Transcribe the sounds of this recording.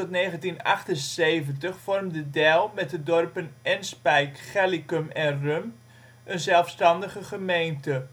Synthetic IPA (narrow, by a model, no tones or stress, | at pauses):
ɔtneːχəntinɑ̰χtənsejvəntəχfɔrmdədɛlˠmɛt̚dədɔrpənɛnspɛjkχɛlikəmɛnrøm | ʔənzɛlˠfstɑndəχəχəmejntə